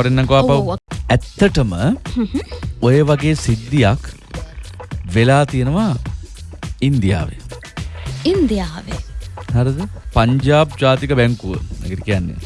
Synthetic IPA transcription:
ɐɾenːɐŋkoʋaːpawɛt̪ːəʈəmə | ojeʋaɡeːsid̪ːijak | ʋelaːt̪ijenəʋa | ind̪ija̰ːʋḛ | ind̪ijaːʋehaɾəd̪əpaɲd͡ʒaːb̚d͡ʒaːt̪ikəbɛŋkuʋənɛ̰kiʈikijanːḛ

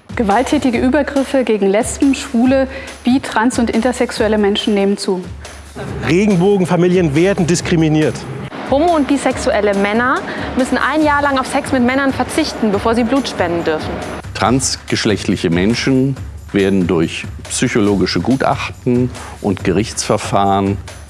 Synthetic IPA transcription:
ɡ̥əvaltʰːɛːtɪɡəʔyːbɐɡʁɪfəɡeːɡŋ̩lɛspm̩ʃv̥uːlə | b̥iːtʁ̥ansʊntʔɪntɐzɛksuɛləmɛnʃn̩neːmənt͡suː | ʁeːɡŋ̩boːɡŋ̩famiːljənveːɐdn̩dɪskʁ̥iminiːɐt | hoːmoʊnt̚b̥iːsɛksuʔɛləmɛnɐmʏsn̩ʔa̰ɪnjaːɐlaŋaʊfsɛksmɪtmɛnɐnfɛɐt͡sɪçtn̩bəfoːɐziːbluːtʃpɛndn̩dʏɐfn̩tʁ̥ansɡ̥əʃlɛçtlɪçəmɛnʃn̩ | veːɐdn̩dʊɐçpsyçoloːɡɪʃəɡuːtʔa̰χtn̩ | ʔʊntɡ̥əʁɪçt͡sfɛɐfaːʁən

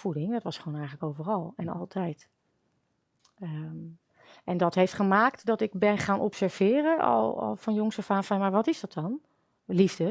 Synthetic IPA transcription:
fudɪŋdɔtʋɑsχoːnɛjɣələkowvərɔlˠɛnɔ̰lˠtʰɛjt | ə | ʔɛndɔtɦejftχəmaːktdɔtɪk̚bɛnχaːnʔɔpsɛɹv̥ɪːrəɔ̰l̰ˠlˠfɔnjʊŋsəfaːnfanmaɹʋɔtɪsdɔt̚ɔn | livdə

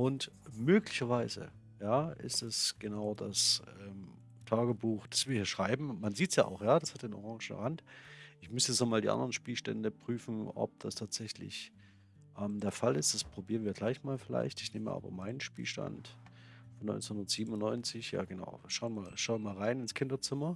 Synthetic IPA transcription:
ʔʊntmøːklɪçɐvaɪzə̰ | jaːʔɪ̰stɛsɡ̥ənaʊdasʔɛːm | tʰaːɡəbuːxd̥asv̥iːɐhiːɐʃʁ̥aɪbm̩manziːtsja̰ːʔa̰ʊxjaːd̥ashat̚d̥eːnʔɔ̰ʁɑ̃ŋʒɛ̰hantʔɪçmʏstəjɛt͡snɔːmaːldḭːʔa̰ndəʁənʃpiːlʃtɛ̰ndəpʁ̥yːfn̩ʔɔ̰p̚d̥astʰaːtz̥ɛçlɪ̰ç | ʔɛːmdeːɐfalɪstd̥aspʁ̥obiːʁənviːɐɡlaɪçmaːlfɪla̰ɪçtɪçneːmə̰ʔa̰ːbɐ̰maɪnənʃpḭːlʃta̰nt | fɔnːɔ̰ʏnt͡sənhʊndɐtz̥iːbm̩ʊnːɔʏnt͡sɪçja̰ːɡəna̰ʊʃaʊənmaːlʃaʊmaːlʁaɪnɪnskʰɪndɐt͡sɪmɐ

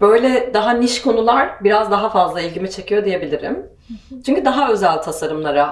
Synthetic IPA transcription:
bø̞jlʲɛd̪aɦaniʃkʰo̞nulˠaɾbiɾazd̪aɦafazlˠailʲɟimit͡ʃʰe̞cʰijo̞d̪ije̞bilʲiɾḭm | t͡ʃʰyɲcʰyd̪aɦaø̞zælʲt̪ʰasaɾɯmlˠaɾa

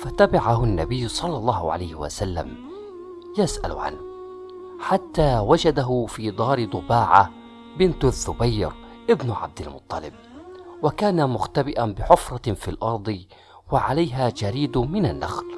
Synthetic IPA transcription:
fat̪abaʕaɦʊnːa̰bɪjːsˤɑlːɑlˤːɑːhʕa̰lajhɪwa̰salːa̰m | jasʔa̰l̰ʕa̰n | ħat̪ːaːwad͡ʒad̪aɦʊfiːd̪ˤɑːɾɪd̪ˤʊbaːʕa̰ | bɪnt̪aθːʊbajːɾʔɪbnʕa̰b̚d̪ɪlmʊt̪ˤːɑlɪ̰b̚wakaːnamʊxt̪abɪʔanbɪħʊfɾˤɑfilʔɑɾˤd̪ˤ | waʕalajɦad͡ʒaɾiːd̪mɪnanːa̰xl

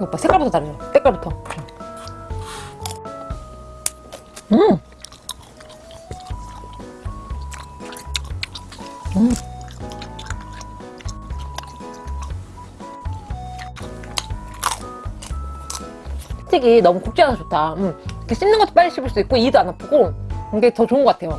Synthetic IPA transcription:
ok͈asʰek͈aɭbutʰʌaɾɯɲot͈ek͈aɭbutʰʌt͡ɕʰo | ɯ | ɯ | tʰiɡinʌmukuk̚t͡ɕ͈eanat͡ɕotʰaɯkʰeɕ͈ʰimnɯŋɡʌtʰopaʌɕ͈ʰibɯɭs͈uik͈oidoanapʰoɡokɯŋɡetʌt͡ɕoɯnŋɡʌk͈atʰe̞jo

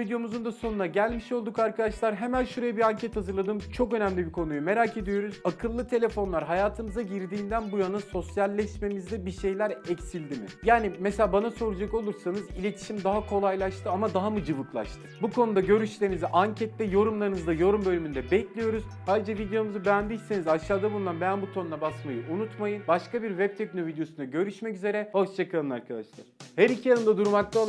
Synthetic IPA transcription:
vid̪ejo̞muzund̪aso̞nunaɟælʲmiʃo̞lˠd̪ukaɾkʰad̪aʃlˠaɾɦemænʃuɾajabiɾaɲcʰɛt̪hazɯɾlˠad̪ɯmt͡ʃʰo̞kø̞næmlʲibikʰo̞nujume̞ɾaːkʰe̞d̪ijo̞ɾuz̥akʰɯlˠːɯt̪ʰe̞lʲefo̞nlˠaɾɦajaːt̪ʰɯmɯzaɟiɾd̪iːnd̪ænbujanaso̞sjalʲːɛʃme̞mizd̪ɛbiʃe̞jlʲæɾɛcsilʲd̪imḭjaːnimeselʲaːbanaso̞ɾud͡ʒako̞lˠuɾsanɯzilʲe̞t̪ʰi̥ʃimd̪aɦakʰo̞lˠajlˠaʃt̪ʰɯamad̪aɦamɯd͡ʒɯvɯklˠa̰ʃt̪ʰɯ̥bukʰo̞nud̪aɟø̞ɾyʃlʲeɾinizɛʔaɲcʰɛt̪ːɛjo̞ɾumlˠaɾɯnɯzd̪ajo̞ɾumbø̞lʲymynd̪ɛbɛclʲijo̞ɾuzhad͡ʒavid̪ejo̞muzɯbeænd̪ijse̞nizaʃlaːd̪abulˠunanbænbut̪ʰo̞nunabasmajɯunut̪majɯnbaʃkabiɾvɛp̚t̪ʰɛcno̞vid̪ejo̞sunaɟø̞ɾyʃmɛcyze̞ɾɛhoʃt͡ʃʰakaɯnaɾkʰad̪aʃlˠa̰ɾhæɾicʰijanɯnd̪ad̪uɾmak̚t̪ʰa

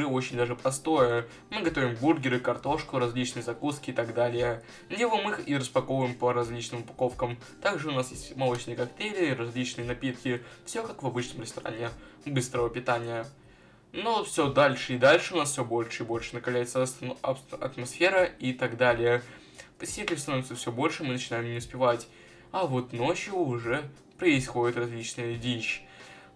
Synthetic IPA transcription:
ɨo̞t͡ɕɪnʲd̪aʐɨpɾɐst̪o̞jə | mɨɡɐt̪o̞vʲɪmburɡʲɪɾɨkɐrt̪o̞ʂkʊɾɐzʲlʲit͡ɕnɨjəzɐkuskʲɪːt̪aɡd̪alʲɪjə | nʲɪvɨmɨxiɾəspɐkovəjɪmpəɾɐzʲlʲit͡ɕnɨmʊpɐ̥ko̞fkəm | t̪aɡʐɨʊnasjesʲtʲmɐlˠot͡ɕnɨjəkɐkt̪ʲelʲɪɾɐzʲlʲit͡ɕnɨjənɐpʲit̪kʲɪfsʲokakvɐbɨt͡ɕnəmɾɪst̪ɐɾa̰nʲɪbɨst̪ɾəvəpʲɪt̪anʲɪjə | nofsʲod̪alʲʂɨɪd̪alʲʂɨʊnasfʲsʲobo̞lʲʂɨɪbo̞lʲʂɨnəkɐvlʲæjɪt̪sə | ɐ̰t̪mɐsfʲe̞ɾəit̪ɐɡd̪alʲɪjə | pəsʲɪitʲɪlʲst̪ɐnovʲɪt̪səfsʲobo̞lʲʂɨmɨnət͡ɕɪnajɪmnʲɪʊspʲɪvatʲ | ɐvo̞t̪no̞t͡ɕjʊːʐɛ | pɾəɪsxo̞dʲɪt̪rɐzʲlʲit͡ɕnɨjəvʲiɕ

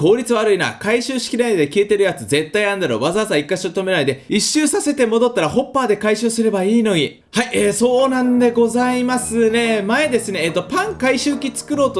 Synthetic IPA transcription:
ko̞ːɾʲit͡sɨβaɾɯ̟ina̰ːkaiɕɨːɕi̥kʲiɾaid̪e̞kʲie̞t̪e̞ɾɯ̟jat͡sɨze̞t̪ːaiãnd̪aɾo̞̰βazazaikːaɕiɾt̪o̞me̞naid̪e̞iɕːɨːsase̞t̪e̞mo̞d̪o̞t̪ːaɾaho̞pːaːd̪e̞kaiɕɨːsɨɾe̞baiːno̞ɲ̟i | haiʔeːso̞ːnãnd̪e̞ɡo̞zaimasɨne̞mae̞d̪e̞sɨne̞ːt̪ːo̞pãŋkaiɕɨːkʲit͡sɨ̥kɯ̟ɾo̞ːt̪o

